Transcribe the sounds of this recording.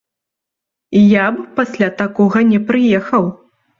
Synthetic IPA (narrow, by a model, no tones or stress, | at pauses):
jappasʲlʲat̪akɔɣɐnʲɛpɾɨjɛxɐw